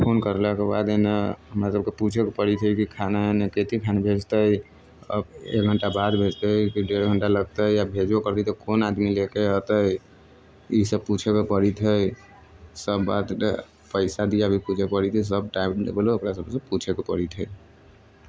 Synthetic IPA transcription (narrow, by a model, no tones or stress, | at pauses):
pʰonkəɾlakeba̰d̪eneɦəmɾasəb̚keput͡ʃʰekepəɾit̪ʰɦəkikʰanaeneket̪ikʰanabʱed͡ʒt̪əj | ə̰bḛk̚ɡʱəɳʈabad̪bʱed͡ʒt̪əkiɖeɾɡʱəɳʈaləɡt̪əjjabʱed͡ʒbokəɾt̪it̪ɔkonad̪milekeɦət̪ə | isəb̚put͡ʃʰekepəɽit̪ʰəj | səbːa̰d̪e | pəɪsad̪ijabʱiput͡ʃʰepəɽit̪ʰis̬əb̚ʈajpnḛbelookɾasəbsə̃put͡ʃʰekepəɽit̪ʰɦə